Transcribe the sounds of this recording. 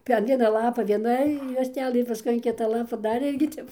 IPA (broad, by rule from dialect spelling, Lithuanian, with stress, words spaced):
pʲɛr ˈʋʲiɛnɐ ˈlˠɑːpɐ ʋʲiɛˈnɐ juɔsʲtʲˈæːlˠɘ ɪr pɐˈskʊɪ ɐn ˈkʲɪtɐ ˈlˠɑːpɐ ˈdɐr ˈɪrʲɡʲɪ ˈtʲɛp